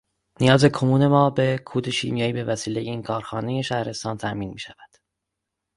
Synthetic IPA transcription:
nijɒːze̞kʰomuːne̞mɒːbe̞kʰuːd̪eʃḭːmjɒːiːbe̞væsiːlejeiːnkʰɒːɾxɒːne̞je̞ʃæhɾe̞st̪ɒːnt̪ʰæʔmiːnmiːʃævæd̪̥

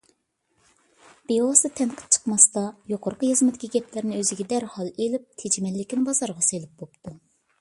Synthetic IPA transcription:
b̥eɑsd̪ɨt̪ʰɛnqʰə̥p̚t͡ʃʰə̥qmɑst̪ɑjoqʰoɾqəjɨzmɪt̪ɪ̥kʲiɡʲɛpʰlɪɾnɪøzɪɡʲɛd̪æɾhɑlˠelɪp̚t̪ʰed͡ʒimɛlːɪkʲinbɑzɑɾʁɑselˠɪp̚bopt̪ʰu

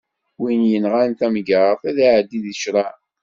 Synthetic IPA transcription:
winjənʁant̪æmɡəɾˤəθæðaʕd̪ːiðəʃɾˤɑ

